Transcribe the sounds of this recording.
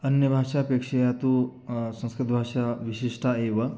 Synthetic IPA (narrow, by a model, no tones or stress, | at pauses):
ɐnjɐbʱaːʂaɐpeːkʂɐjaːt̪u | sɐ̃ŋskɾit̪bʱaːʂaʋiʃiʂʈʰaeːʋɐ